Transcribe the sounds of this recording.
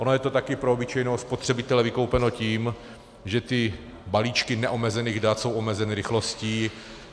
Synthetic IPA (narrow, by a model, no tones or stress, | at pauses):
ʔonojɛt̪o̞t̪akɪpɾoobɪt͡ʃɛjnoːspot̪r̝̥ɛbɪt̪ɛlɛvɪko̞wpɛnociːm | ʒɛt̪ɪ | baliːt͡ʃkɪnɛʔo̞mɛzɛniːɣdat̪so̞wʔo̞mɛzɛnɪɾɪxlo̞sciː